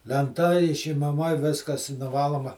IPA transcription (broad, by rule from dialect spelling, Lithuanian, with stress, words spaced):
lʲɛnˈtɐ ɪʃʲɪmɐˈmɐ ˈʋʲɪskɐs ɪ nʊˈʋɑːlˠoːmɐ